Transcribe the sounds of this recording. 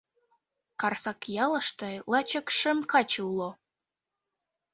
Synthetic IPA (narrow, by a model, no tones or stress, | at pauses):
kɑrsɑkjɑlə̆ʃt̪ɤlˠɑt͡ɕə̆kʃə̆mkɑt͡ɕulo